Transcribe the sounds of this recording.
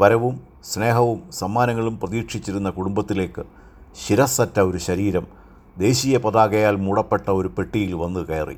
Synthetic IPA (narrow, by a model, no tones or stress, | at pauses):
ʋɐɾɐʋum | sne̞ːɦɐʋumsɐmːaːnɐŋːɐɭumprɐðiːkʂit͡ɕːiɾunːɐkuɽumbɐt̪ːile̞ːkːɨ | ɕiɾɐsɐtːɐo̞ɾuɕɐɾiːɾɐm | d̪e̞ːɕijɐpɐðaːɣɐjaːlmuːɽɐpːe̞ʈːɐo̞ɾupe̞ʈːijilʋɐnːɨkeːrḭ